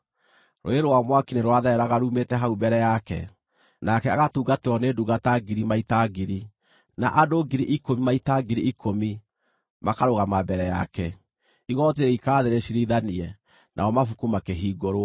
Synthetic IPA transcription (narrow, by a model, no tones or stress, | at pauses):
ɾo̰eɾowamwakineɾwaðɛɛɾaɣaɾumetɛɦaubɛɾɛjakɛ̰ | nakɛaɣatuːɡateɔneduɣataɡiɾimaitaɡiɾi | naʔadoɡiɾiʔikomimaitaɡiɾiikʰomi | makaɾoɣamabɛɾɛja̰kɛ | iɣɔteɾɛikaːðeɾeɕiɾiðaniɛ | nʔa̰ɔmafukumakeɦiːɡoɾo